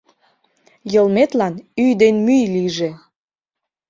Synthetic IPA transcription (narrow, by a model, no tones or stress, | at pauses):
jəlmet̪lɑnyjd̪enmyjliʒe